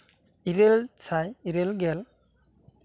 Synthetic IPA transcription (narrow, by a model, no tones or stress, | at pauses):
iɾelt͡ʃʰajiɾelɡɛl